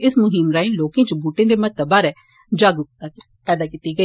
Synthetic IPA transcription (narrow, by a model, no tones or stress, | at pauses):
ɪsmʊɦɪmɾaːĩloːkẽːt͡ʃbuːʈẽːd̪eːmət̪əbaːɾɛː | d͡ʒaɡʊk̚t̪a | pɛːd̪aːkit̪iːɡəiː